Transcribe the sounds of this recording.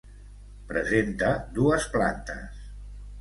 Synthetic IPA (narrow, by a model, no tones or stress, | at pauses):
pɾəzent̪əd̪uəspla̰nt̪ə̰s